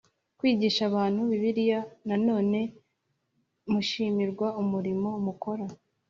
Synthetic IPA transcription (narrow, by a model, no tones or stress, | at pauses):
kwiːɟiːʃaβaːn̥huβiβiɾijanano̞ːne̞ | muʃiːmiɾɡwaumuɾimo̞muko̞ɾa